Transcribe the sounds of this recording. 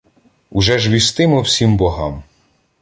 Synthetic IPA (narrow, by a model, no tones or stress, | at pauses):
ʊʒɛʒʋʲist̪ɪmɔwsʲimbɔɦɑ̰m